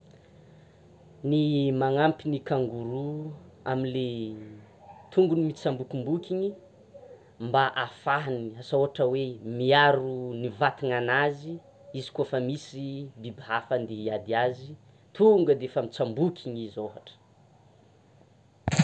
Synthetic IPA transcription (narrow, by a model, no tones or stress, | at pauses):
nimaŋampinikaŋɡuɾua̰minle | t̪ʰuŋɡunimit͡sambukʲimbukʲiɲi | mbaʔafaɦniasaoɦaʈ͡ʂəwemiaɾunivat̪iŋanazi | izi̥kofəmisibibiɦafand̪eɦiad̪iazi | t̪ʰuŋɡəd̪eefamit͡sambukʲʰiɲizoɦaʈ͡ʂə̥